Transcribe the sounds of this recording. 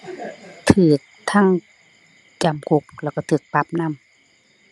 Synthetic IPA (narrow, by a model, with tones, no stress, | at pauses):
t̪ʰɯː˨˩k̚t̪ʰa˥˨ŋ | t͡ɕa˨˩mkʰo˧˦k̚lɛ˧˩wka˧˩t̪ʰɯː˨˩k̚pa˧˦p̚na˧˥˨m